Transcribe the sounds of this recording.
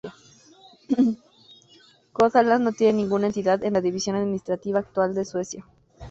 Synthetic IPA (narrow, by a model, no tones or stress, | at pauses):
koθalazno̞t̪jenenĩŋɡunae̞nt̪iðaðenlaðiβisjo̞naðminist̪ɾat̪iβaːk̚t̪wald̪e̞swe̞sja